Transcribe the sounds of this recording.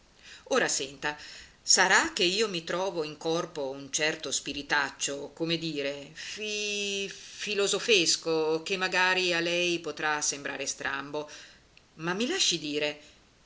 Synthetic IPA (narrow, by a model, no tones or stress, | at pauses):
oːɾasɛnt̪a | saɾak̟ːeiːomit̪ɾɔːvoiŋkɔrpount͡ʃɛrt̪ospiɾit̪at͡ʃːokomed̪iːɾefi | filozofeskok̟emːaɡaːɾialɛjpot̪ɾasːembɾʔa̰ːɾest̪ɾa̰mbo | mamːilaʃːid̪iːɾe